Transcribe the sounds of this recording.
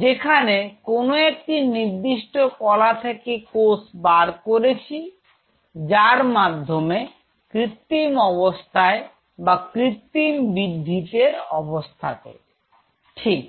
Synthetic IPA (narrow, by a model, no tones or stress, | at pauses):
d͡ʑekʰanekonoek̚ʈiniɾd̪iʃʈokɔlat̪ʰekekosbaɾkoɾet͡ɕʰi | d͡ʑaɾmad̪ʱːome | kɾit̪ːimɔβost̪ʰae | bakɾit̪ːimbid̪ʱːit̪eɾɔbost̪ʰat̪ḛ | ʈʰik̚